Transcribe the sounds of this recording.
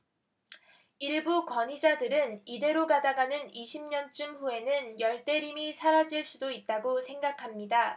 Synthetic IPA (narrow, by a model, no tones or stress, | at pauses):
iɭbukwʌɲid͡ʑadɯɾɯnide̞ɾoɡadaɡanɯniɕʰimɲʌnt͡ɕ͈ɯmɸue̞nɯnjʌɭt͈e̞ɾimisʰaɾad͡ʑiɭs͈udoit̚t͈aɡosʰe̞ŋɡakʰamɲida